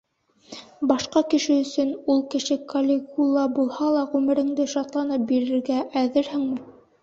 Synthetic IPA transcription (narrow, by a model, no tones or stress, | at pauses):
bɑʃqɑkɘ̆ʃɘɵ̆sɵnulˠkɘ̆ʃɘkʰɐlʲɪkulˠːɑbulˠhɑlˠɑʁʉmɘ̆ɾɘ̆ŋd̪ɘʃɑt̪lˠɑnɤp̚biɾɘ̆ɾɡæʔæðɘɾhɘŋmɘ